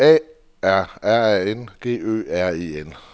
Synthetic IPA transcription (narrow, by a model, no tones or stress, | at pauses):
ɛ̰ː | æɐ̰æɐɛenɡ̥e̝̰ːø̰ːæɐ̰ḭːen